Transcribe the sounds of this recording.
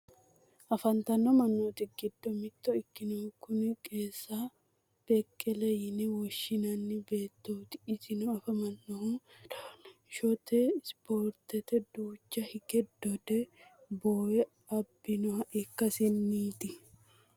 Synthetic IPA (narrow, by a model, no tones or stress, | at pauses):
ʔɐfɐnt̪ɐnːɔmɐnːoːt̪ɪɡɪd̪ːɔmɪt̪ːɔɪkːɪnɔhʊkːʊnkʼe̞ːsːa | b̥ɛkʼːɛlɛjɪnɛwɔʃːɪnɐnːɪbeːt̪ːot̪ɪ̥ʔɪsɪnɔɐfɐmɐnːɔhʊ | ʃɔt̪ɛspoːɾt̪ɛt̪ɛd̪uːt͡ʃːɐhɪɡɛd̪ːɔd̪ɛboːjɛ | ɐbːɪnɔhɐʔɪkːɐsɪnːiːt̪ɪ